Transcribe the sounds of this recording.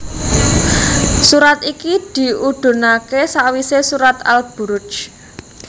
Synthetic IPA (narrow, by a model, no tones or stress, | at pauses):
suɾat̪ikid̪̥i̤uɖ̪̥o̤nakesawisesuɾat̪a̰lb̥ṳɾʊ̥t͡ʃ